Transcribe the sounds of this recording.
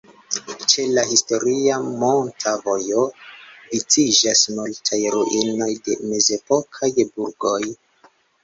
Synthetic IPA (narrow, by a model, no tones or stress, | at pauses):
t͡ʃe̞lahisto̞ɾiamo̞ntʰavo̞jo̞vit͡sid͡ʒasmultʰajɾuʔino̞jde̞̰me̞ze̞po̞kʰajbuɾɡo̞j